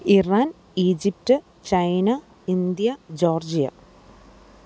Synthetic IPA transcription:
iraːn | iːd͡ʑiptɨ | t͡ɕɐjnɐ | ind̪jɐd͡ʑo̞ːrd͡ʑijɐ̰

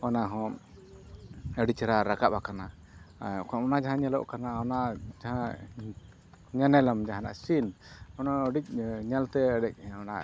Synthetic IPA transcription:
ɔnaɦɔ̃ | əɖit͡ʃɛɾaɾakaʔakana | kɔnɔnad͡ʒaɦãɲɛlɔ̰ʔkanaɔnad͡ʒaɦã | ɲanɛlamd͡ʒaɦãna̰ʔsinɔnaəɖic̚ɲalt̪ɛəɖɛc̚ɔna̰ʔ

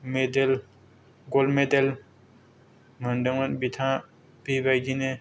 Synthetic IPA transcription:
med̪el | ɡolmed̪el | məɳɖəŋɐnbit̪ʰã | pibajd͡ʒinẽ

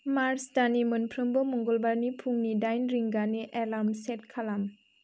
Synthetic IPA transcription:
maɾsdanimɯnpʰɾɯmbɔmɔŋɡɔlbaɾnipʰuŋnidajnɾiŋɡaniʔelamset̚kʰalam

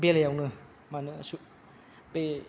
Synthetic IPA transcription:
belajawnɯ | manɯsu | pe

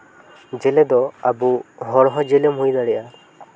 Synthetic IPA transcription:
d͡ʒeled̪ɔabuɦɔɽɦɔd͡ʒelemujnaɽɛa

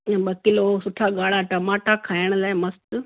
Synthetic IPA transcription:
ɓɐkɪlosʊʈʰaɠaːɽ̤aʈɐmaːʈakʰaːɪəɽ̃laːɪmɐst̪ʊ

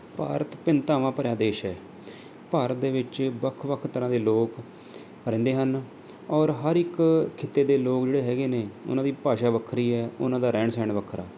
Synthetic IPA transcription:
paːɾət̪pɪnt̪ãːʋãːpəɾjaːd̪eːʃɛː | paːɾət̪̚d̪eːʋɪt͡ʃbəkʰʋəkʰt̪əɾãːd̪eːloːk | əɾɪ̃ːnd̪eːɦən | ɔːɾɦəɾɪkkʰːɪt̪ːeːd̪eːloːkd͡ʒeːɽeːɦɛːɡeːneːʊ̰nãːd̪iːpaːʃaːʋəkʰɾiːɛːʊ̰nãːd̪aːɾɛ̃ːɳsɛ̃ːɳʋəkʰːɾaː

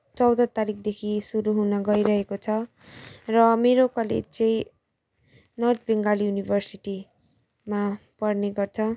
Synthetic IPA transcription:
t͡sʌwd̪ʌt̪aɾikʰd̪ekʰisuɾuɦunʌɡʌjɾʌɦekot͡sʰʌ | rʌmeɾokʌlḛd͡zt͡sʌĩ | nʌʈbeŋɡaljunibʱʌrsiʈi | mapʌrneɡʌrt͡sʰʌ

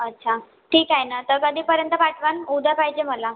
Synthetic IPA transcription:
ətːɕʰa | ʈʰiːkajnat̪əɾkəd̪ʱiːpəɾjənt̪əpaʈʋanud̪ʱəpaɦid͡ʑem̤əla

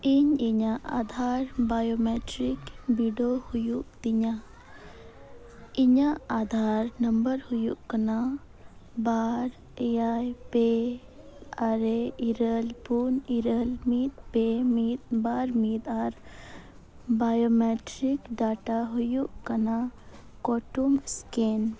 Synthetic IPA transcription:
iɲiɲaʔa̰ːd̪ʱaːɾbaːjoːmeːʈɾikbiɖohʊjuʔt̪iɲa | iɲaad̪ʱaːɾnəmbəɾhʊjuʔkəna | baːɾ | eajpe | aɾeiɾəlpuniɾəlmiːt̪̚pemit̪baːɾmiːt̪aɾ | bajomeʈɾikɖaːʈaɦujuʔkɐna | koʈumskeːn

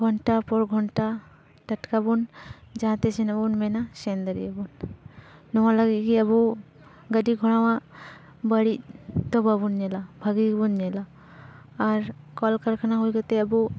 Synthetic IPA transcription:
ɡʱɔɳʈapɔɾɡʱɔɳʈa | ʈəʈkabund͡ʒãt̪ɛsɛnabunmɛnasɛnd̪əɾiabunː | ɔwalaɡickiabu | ɡəɖiɡʱɔɽ̃awaʔ | bəɽic̚d̪ɔbabunɲɛlabʱaɡikbunɲɛlaː | ɾ | kɔlkəɾkʰanaɦujkat̪ɛəbu

